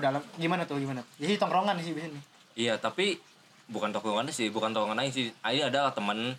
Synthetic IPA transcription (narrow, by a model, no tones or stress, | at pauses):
dalamɡimanat̪ʊhɡimanat̪ʊ̥jasɪt̪ɔŋɾoŋanɪsɪhbisɪnɪ | ijat̪api | bukant̪okɔŋanɪsɪhbukant̪ɔkɔŋanaisɪhaiadalat̪əmən